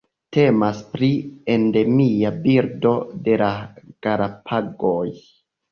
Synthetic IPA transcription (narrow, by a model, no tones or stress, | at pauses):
te̞maspɾie̞nde̞miabiɾdo̞de̞lakaɾapʰaɡoj